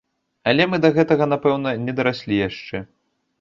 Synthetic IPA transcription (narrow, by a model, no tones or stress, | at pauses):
ɐlʲɛmɨd̪ɐɣɛt̪ɐɣɐnapɛwnɐnʲɛd̪ɐɾasʲlʲijaʂt͡ʂɛ